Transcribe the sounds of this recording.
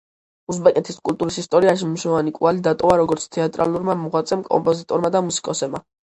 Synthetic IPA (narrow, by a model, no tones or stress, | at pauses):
us̬bɛkʼɛt̪ʰiskʼult̪ʼuɾisist̪ʼɔɾiaʃimmuʃɔvanikʼualid̪at̪ʼɔvaɾɔɡɔɾt̪sʰt̪ʰɛat̪ʼɾa̰lˠuɾmamuʁwat̪sʼɛmkʼɔ̰mpʼɔzit̪ʼɔɾmad̪amusi̥kʼɔsɛbma